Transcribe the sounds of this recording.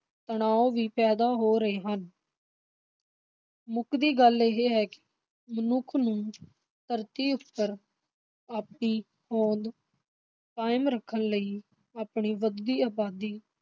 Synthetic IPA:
t̪əɳaːoːʋiːpɛːd̪aːɦoːɾəeːɦən | mʊkd̪iːɡəleɦeɦɛːkɪ̥ | mənʊkʰnũː | t̪əɾt̪iːʊpːəɾ | aːp̚ɳiː | hõːd̪ | kaːɪmɾəkʰːənləiː | aːpɳiːʋəd̪ːiːaːbaːd̪iː

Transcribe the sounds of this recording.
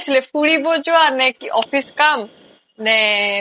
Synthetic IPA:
sʰilefuɽibod͡ʒuanɛkɔfiskam | nɛ

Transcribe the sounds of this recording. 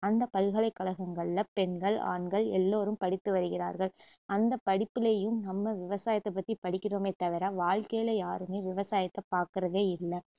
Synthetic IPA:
ɐnd̪ɐpɐlɣɐɭɐɪkːɐɭɐɣɐŋɡɐɭːɐpɛɳɡɐɭa̰ːɳɡɐɭɛ̰lːoːɾɯmpɐɽɪt̪ːɯʋɐɾɯɣɪɾa̰ːɾɣɐɭʔɐnd̪ɐpːɐɽɪpːɪlɐjɯmnɐmːɐʋɪʋɐsaːjɐt̪ːɐp̬ːɐt̪ːipɐɽɪkːɪroːmeːt̪ːɐʋɪɾaːʋaːɭkejlɐjaːɾɯmeːʋɪʋɐsaːjɐt̪ːɐpːaːɾkɪɾɐðeːɪlːɐ

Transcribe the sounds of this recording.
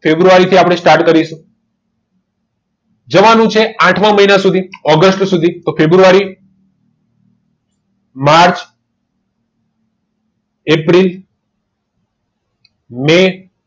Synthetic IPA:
febɾuaɾit̪ʰiapɽ̃esʈaɾʈkəɾiʃũ | d͡ʒəʋanũt͡ʃʰeãʈʰmãməɦinasud̪ʱiɔɡəsʈsud̪ʱit̪ofebɾuʋaɾi | maɾt͡ʃ | epɾil | me

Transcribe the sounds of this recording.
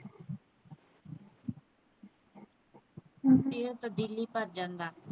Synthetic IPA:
t̪eːɾt̪əbd̪iːliːpəɾd͡ʒãːnd̪aː

